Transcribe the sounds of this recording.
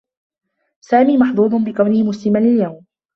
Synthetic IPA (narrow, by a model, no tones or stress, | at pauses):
saːmiːmɑħd̪ˤuːdˤʊnbɪkawnɪhɪmʊslɪmanlɪljawm